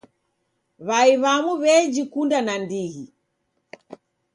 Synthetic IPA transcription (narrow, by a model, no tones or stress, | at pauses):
βaiβamuβɛd͡ʒikundanandihi